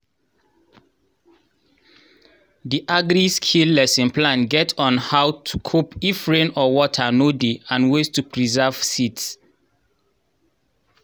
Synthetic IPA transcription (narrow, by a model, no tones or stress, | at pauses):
diʔaɡɾiskʰilːɛsɛ̃nplãnɡɛtʰɔ̃nhawtʰukʰupifɹẽnɔwɔtʰanodiãnwestupʰɹizav̥sits